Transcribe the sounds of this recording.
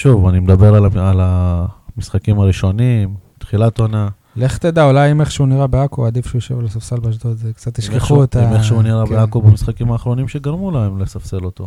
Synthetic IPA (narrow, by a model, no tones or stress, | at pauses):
ʃuvanimed̪abe̞ʁaalamisχakimaʁiʃo̞nimt̪χilat̪ona | leχt̪ed̪aulajimeχʃeuniʁabeakoad̪ifʃeujoʃevlasafselbaʃt̪ot̪zekt͡sat̪ːiʃkeχuet̪aimeχʃeuniʁabeakobamisχakimaːχʁo̞nimʃeɡaʁmulaemlesafselo̞t̪o